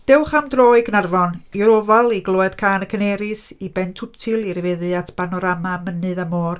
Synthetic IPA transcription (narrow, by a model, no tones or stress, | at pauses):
d̥ɛwχamdroːɨɡnarvɔniɔɾɔvalˠiɡlˠoːɛd̥kʰaːnəkʰənɛɾɨsibɛntʰʊtʰɨlˠiɾəvɛðɨatʰb̥anɔɾamamənɨðamoːr